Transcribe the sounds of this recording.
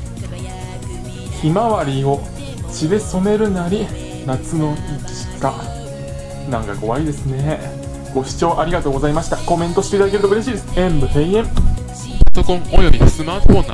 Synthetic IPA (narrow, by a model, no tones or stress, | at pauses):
çimaβaɾʲio̞ | t͡ɕid̪e̞so̞me̞ɾɯ̟naɾʲi | nat͡sɨno̞iki̥ka̰ | nãŋkako̞βaid̪e̞sɨne̞ | ɡ̥o̞ɕi̥t͡ɕo̞ːʔaɾʲiɡat̪o̞ːɡo̞zaimaɕi̥t̪ako̞mẽ̞nt̪o̞ɕi̥t̪e̞it̪ad̪akeɾ̟t̪oɯ̟ɾe̞ɕiːd̪esɨẽmbɯ̟ɦeiẽ̞msɨmat̪okõŋojobʲisɨmaːt̪oɸõnː